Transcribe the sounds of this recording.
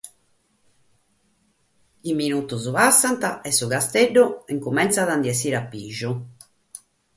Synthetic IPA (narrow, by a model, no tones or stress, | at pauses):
iminut̪uzuβasːant̪aɛsːuɣast̪eɖːuɛŋkumɛnt̪saðand̪jɛsiːɾapːiʒu